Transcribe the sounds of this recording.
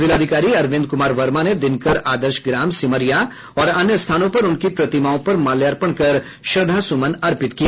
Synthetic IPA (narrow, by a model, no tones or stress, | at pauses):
zɪlaːd̪ʱɪkaːɾiɐɾʋɪ̃nd̪̚kʊmaːɾʋɐɾmaned̪ɪnkɐɾaːd̪əɾʃɡɾaːmsɪməɾija | ɔːɾɐnjəst̪ʰaːnõpɐɾʊnkipɾɐt̪ɪmaːõpɐɾmaːljaːɾpəɽ̃kɐɾ | ʃɐd̪ʱasʊmənɐɾpɪt̪kija